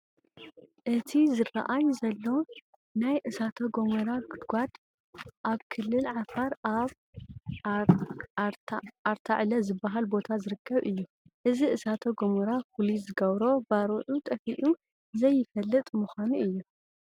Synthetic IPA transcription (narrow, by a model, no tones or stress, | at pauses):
ʔɨt̪ʰizɨra̰ʔajzɐlːo̞ | najʔɨsat̪ʰoɡomɐɾaɡɨd̪ɡʷad̪ | ʔaβkʰɨlːɨlʕafaɾaβ | ʔaɾt̪ʰaʕlɐzɨbːaɦalbo̞t̪ʰazɨɾɨkʰːɐβɨjːu | ʔɨziʔɨsat̪ʰoɡomɐɾafulizɨɡɐβɾo̞baɾoʔut̪ʼɐfiʔu | zɐjːɪfɐlːɨt̪ʼmuxʷanuʔɨjːu